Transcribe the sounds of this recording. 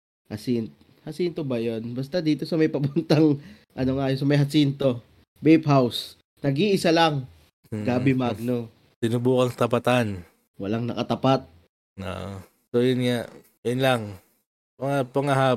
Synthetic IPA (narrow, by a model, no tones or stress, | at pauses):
hɐsint̪ | hɐsint̪obɐjonbɐst̪ɐd̪iːt̪o̞sɐmɐjpɐbʊnt̪aŋ | ʔɐnoŋajos̬ɐmɐjɦɐsint̪o̞ | bejphaws | nɐɡiʔɪsalaŋ | ɡaːbɪmaɡ̚no | sɪnubuːkɐŋt̪ɐpat̪an | wɐlaŋnɐkɐt̪ɐpat̪̚ | o̰ʔ | sojʊnŋaʔ | jʊnlaŋ | mɐŋapɐŋaɦa